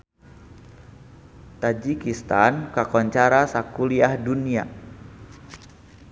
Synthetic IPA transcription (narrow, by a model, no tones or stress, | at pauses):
t̪ad͡ʒikist̪ankakɔɲt͡ʃaɾasakuliahdunia̰